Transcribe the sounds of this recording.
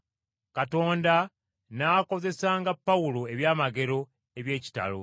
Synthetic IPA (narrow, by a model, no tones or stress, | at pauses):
kato̞ːnda | naːko̞ze̞saːŋɡapːawulo̞e̞βjaːmaɡe̞ɾo̞ | eβje̞ːci̥ta̰lo̰